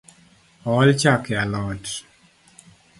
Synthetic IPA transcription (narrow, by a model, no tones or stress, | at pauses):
ɔlt͡ʃakɛalɔt